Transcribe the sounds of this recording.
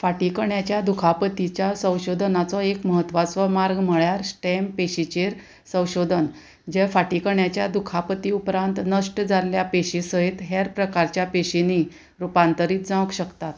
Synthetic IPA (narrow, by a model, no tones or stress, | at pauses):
faʈikəɳjat͡ɕjad̪ukʰapət̪it͡ɕjasə̃w̃ɕod̪ʱnat͡sɔekməɦət̪ʋat͡sʋəmaɾɡm̤əɭjaɾsʈɛmpeɕit͡ɕeɾ | sə̃w̃ɕod̪ʱən | d͡ʑefaʈikəɳjat͡ɕjad̪ukʰapət̪iupɾãnt̪nəʂʈd͡zallːjapeɕisəɦit̪ɦeɾpɾəkaɾt͡ɕjapeɕini | ɾupant̪əɾiːt̪̚d͡zãkɕəkt̪at̪